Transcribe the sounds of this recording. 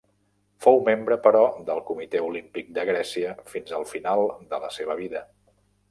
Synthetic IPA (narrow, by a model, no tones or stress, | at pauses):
fowmembɾəpəɾɔðəlˠkumit̪ɛulimpik̚d̪əɣɾɛsiəfinzəlˠfinalˠd̪ələseβ̞əβ̞iðə